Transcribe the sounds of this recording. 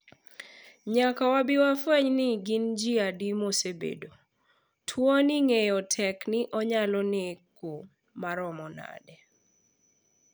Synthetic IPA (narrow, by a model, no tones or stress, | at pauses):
ɲakawabɪwafwɛɲnɪɡɪnd͡ʒiadimosebḛdo | tʰwɔnɪŋejɔtʰɛknɪʔɔɲalɔneko | maɾɔmɔna̰dɛ